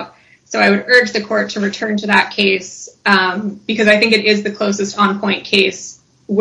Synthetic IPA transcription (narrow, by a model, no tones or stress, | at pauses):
soʊaɪwɨɾɜ˞d͡ʒðɨkʰɔɹtʰɨɹɨtʰɜ̃˞ntʰɨðət̚kʰeɪs | b̥ɨkʰʌzaɪθɪ̃ŋkɨɾɪzðɨkʰl̥oʊsɨstɑ̃npʰɔ̃ɪ̃nkʰeɪs | w